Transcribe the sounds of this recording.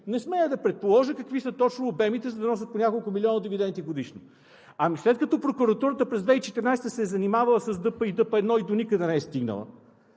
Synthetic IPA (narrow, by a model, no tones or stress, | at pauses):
nɛsmɛəd̪ɐpɾɛt̪̚polˠɔʒəkɐkvisət̪ɔt͡ʃnoːbɛmit̪ɛzɐd̪ɐnɔs̬ʲət̪ponʲakolˠkʊmiliɔnəd̪ivid̪ɛnt̪iɡod̪iʃno | ɐmislɛt̪̚kɐt̪ɔpɾokuɾɐt̪uɾət̪əpɾɛzd̪vɛit͡ʃɛt̪ɛɾnajst̪əsɛzɐnimavɐlˠəsɐzd̪ɤpəid̪ɤpəɛd̪nɔid̪onikəd̪ɛnɛɛst̪iɡnə̰lˠə̰